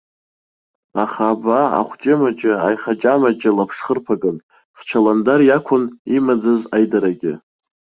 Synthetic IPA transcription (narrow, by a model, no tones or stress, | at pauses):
aχaːbaa̰χʷt͡ʃʼɪmat͡ʃʼɪa̰jχat͡ʃʼamad͡ʒʼɪlapʰʂχərpʰaɡʼɨn | χt͡ʃʰalandarjakʷʰʊnimad͡zazajdaɾaɡʲɪ̰